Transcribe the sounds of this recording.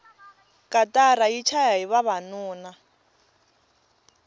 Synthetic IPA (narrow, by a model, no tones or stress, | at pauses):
kʼatʼaɾajit͡ʃʰajaɦiβaβanuːna